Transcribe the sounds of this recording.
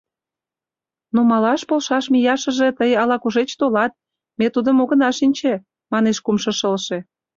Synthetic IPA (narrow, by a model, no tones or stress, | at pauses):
nomɑlɑʃpolʃɑʃmijɑʃə̆ʒĕt̪əjɑlɑkuʒet͡ɕt̪olɑt̪̚ | met̪ud̪əmoɣə̆nɑʃinʲt͡ɕe | mɑneʃkumʃɤ̆ʃəlʃe